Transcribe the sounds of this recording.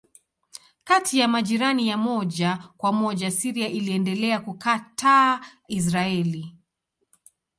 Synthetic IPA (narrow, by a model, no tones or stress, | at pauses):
katijamaʄiɾanijamɔʄakwamɔʄasiɾiaʔiliɛndɛlɛakukaːta | is̬ɾaɛli